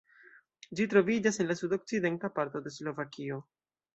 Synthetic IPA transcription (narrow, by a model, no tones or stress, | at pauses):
d͡ʒitɾo̞vid͡ʒasenlasudo̞k̚t͡side̞ntapaɾto̞de̞slo̞vakʰio̞